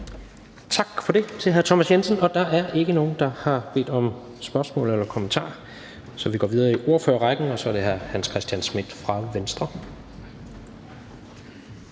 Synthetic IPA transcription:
t͡sʰɑ̈ɡ̥fɒ̽de̝t͡sʰe̝ɦæɐt͡sʰɒmæsjensən̩ɒ̽d̥ɑ̈ʔæɐʔe̝ɡ̥əno̝ːn̩d̥ɑ̈hɑ̈b̥e̝̰ːd̥ɒ̽m | sb̥ɶɐsmɔ̰̽ːlelɐkʰo̽mənt͡sʰɑ̰̈ː | sɒ̽ʋiɡ̥ɒ̰ːʋiðˠɐːiʔo̝ɐfø̰ːɐʁɑɡ̥n̩ɒ̽sɒ̽ɐɾe̝ɦæɐhænskʰʁɛsd̥jænsmid̥fʁɑ̈ʋensd̥ʁɐ

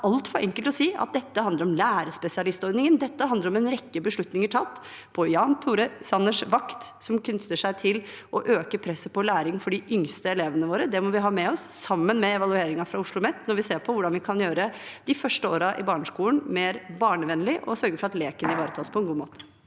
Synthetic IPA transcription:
ʔɑlt̪fɔɾʔɛŋkəlt̪ɔsiːɑ̰t̪̚d̪ɛt̪ːəɦɑnd̪əɾɔmlæːɾəspɛsɪɑlɪst̪ɔɾd̪nɪŋənd̪ɛt̪ːəɦɑnd̪əɾɔmɛnɾɛkːəbəʂɭʉt̪nɪŋəʈʰɑt̪ː | pʰɔʏjɑːnt̪ʰuːɾəsɑnːəʂʋɑkt̪sɔmkʰnʏt̪ːəʂæɪt̪ʰɪl | ɔʔøːkəpʰɾɛsːəpʰɔlæːɾɪŋfɔɖɪʔʏŋst̪əɛleːʋənəʋoːɾəd̪ɛmɔʋɪɦɑːmɛɔsːɑmːənmɛɛʋɑlʉeːɾɪŋɑfɾɑʊʂɭʊmɛt̪ːnɔɾʋɪseːɾpʰɔʋʊɖɑnʋɪkʰɑnjøːɾəd̪ɪfœʂʈəoːɾɑʔɪbɑːɳəʂkuːlən̩meːɾbɑːɳəʋɛnːlɪʔɔ̰sœɾɡəfɔɾɑt̪leːkənəɪʋɑːɾət̪ʰɑːspʰɔɛnɡuːmo̰ːt̪ə̥

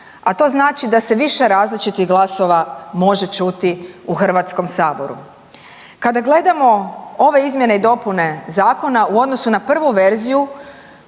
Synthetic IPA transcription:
at̪o̞ːznaːt͡ʃid̪ase̞ʋiʃe̞ɾaːzlit͡ʃit̪iɣɡlˠaso̞ʋamo̞ʒe̞t͡ʃut̪iuxr̩ʋat̪sko̞msaːbo̞ɾṵ | kad̪aɡle̞d̪amo̞o̞ʋe̞izmje̞ne̞id̪o̞pune̞zaːko̞nauo̞d̪nosunapr̩ʋuʋe̞ɾziju

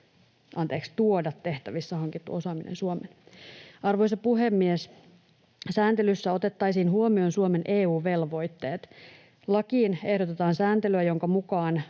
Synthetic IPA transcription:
ɑnt̪e̞ːkst̪uodɑt̪ːe̞ht̪æʋisːɑhɑŋkit̪ːṵo̞sɑːminḛnsuomen | ɑrʋo̞jsɑpuɦemːies | sæːnt̪elysːæo̞t̪e̞t̪ːɑjsiːnɦuomio̞nsuome̞nʔeːuːʋe̞lʋo̞jt̪ːe̞ːt̪ | lɑkiːne̞hdot̪e̞t̪ɑːnsæːnt̪elyæjo̞ŋkɑmukɑːn

